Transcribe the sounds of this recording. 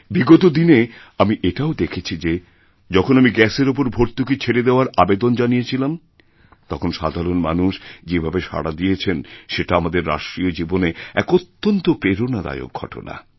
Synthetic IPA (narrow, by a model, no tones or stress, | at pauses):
biɡot̪od̪ineamiʔeʈaod̪ekʰet͡ɕʰid͡ʑe | d͡ʑɔkʰonamiɡɛseɾop̬oɾbʱoɾt̪uket͡ɕʰeɾed̪eoaɾabed̪ond͡ʑanijet͡ɕʰilam | t̪ɔkʰonʃa̰d̪ʱaɾonma̰nuʃd͡ʑebʱabeʃa̰ɽad̪ijet͡ɕʰenʃeʈaamad̪eɾːa̰ʃʈɾiod͡ʑiboneɛ̰kot̪ːont̪opɾeɾonad̪a̰jo̰ɡ̚ɡʱɔ̰ʈo̰na̰